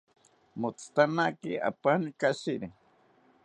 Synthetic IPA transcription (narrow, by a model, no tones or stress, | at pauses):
mot͡st̪anakia̰panikaʃiɾi